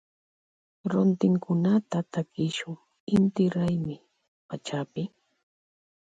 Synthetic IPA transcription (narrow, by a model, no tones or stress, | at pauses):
ɾont̪ɪŋkʰʊnat̪at̪akɪʃʊŋ | ɪnt̪ɪɾajmɪ | pat͡ʃapɪ